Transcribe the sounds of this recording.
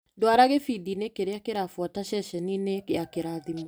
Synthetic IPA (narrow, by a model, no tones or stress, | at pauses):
dwaɾaɣefidinekeɾeakeɾafwɔtaʃɛʃɛninekeakeɾaðimu